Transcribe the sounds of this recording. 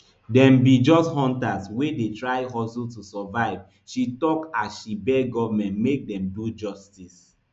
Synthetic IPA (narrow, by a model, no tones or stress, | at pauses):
dɛ̃mbid͡ʒɔsthɔ̃ntaswedetɹaɪɦɔsultusɛvaɪv | ʃitɔkasʃibɛɡɔvamɛ̃ntmek̚dɛ̃mdud͡ʒɔstis